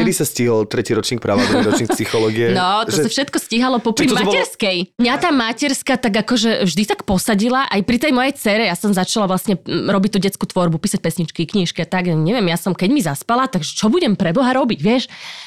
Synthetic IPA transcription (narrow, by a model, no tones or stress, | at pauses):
kɛd̪isasciɦɔlt̪ɾɛciɾɔt͡ʃɲiːk̚pɾa̰ʋd̪ɾuɾɔɲiːkspsixɔlɔːɡiɛnɔt̪ɔsafʃɛt̪kɔsciɦalɔpɔpɾimmɛɾskɛjmɲat̪aːmacɛɾskat̪aɡakɔʒɛvʒd̪it̪akpɔsaɟilaʔajpɾit̪ɛjmɔjɛjt͡sɛɾɛjasɔmzat͡ʃalaʋlasɲɛɾɔbic̚t̪uːɟɛt͡skuːt̪ʋɔɾbupiːsac̚pɛsɲit͡ʃkikɲiʃkiat̪aɡjaɲɛʋɪɛmjasɔmkɛɟmizaspalat̪aɡʒɛt͡ʃɔbuɟɛmpɾɛbɔɦaɾɔbiɟʋɪɛʃ